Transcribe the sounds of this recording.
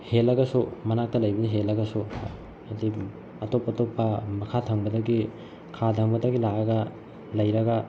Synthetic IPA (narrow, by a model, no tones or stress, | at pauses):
helɐɡɐsumɐnak̚tɐlɐjbɐniɦelːɐɡɐsu | ɐdi | ɐtopɐtopːɐmɐkʰatʰɐŋbɐdɐɡi | kʰatʰɐŋbɐdɐɡilaɐɡɐ | lɐjɾɐɡɐ